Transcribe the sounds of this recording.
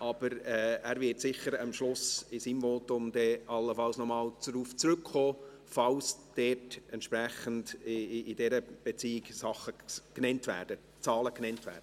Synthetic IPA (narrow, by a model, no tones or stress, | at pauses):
ʔɑb̥əɾɛːæːɾvɪtsɪχəɾɑmʃlʊsɪsiːmvoːtʊmd̪̥ɛɑlːəfɑlsnɔmɑːlt͡sɾuːft͡sɾɵkχoː | fɑlsd̥ɛːtɛnt̪ʃpɾæχən̩dɪdɛɾəb̥et͡siːɪksɑχəknɛntvæ̰ːɾd̥ə | t͡sɑːləknɛntʋæ̰ːɾd̥ə